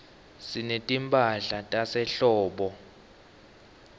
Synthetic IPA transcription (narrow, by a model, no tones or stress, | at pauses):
sinetʼimpʼaɬatʼasɛɬɔːɓɔ